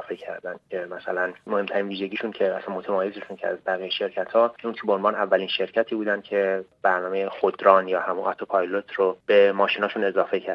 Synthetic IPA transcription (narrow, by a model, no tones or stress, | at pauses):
fecʰæɾd̪ænd̪̥cʲʰemæsæ̰lænmohe̞mt̪ʰæɾiːnviːʒe̞ɟiːʃuncʰe̞æsænmo̞t̪ʰemɒːjezeʃuncʰeæ̰zbæɣiːjeʃe̞ɾcʰæt̪ʰhɒːunt͡ʃʰebeonvɒːnævːæliːnʃe̞ɾcʰæt̪ʰiːbuːd̪ænd̪̚cʰe̞b̥æɾnɒːmejexod̪ɾɒːnjɒːhæmunʔɒt̪ʰopʰɒjlot̪ʰrob̥e̞mɒːʃiːnɒːʃune̞zɒːfe̞cʰæɾ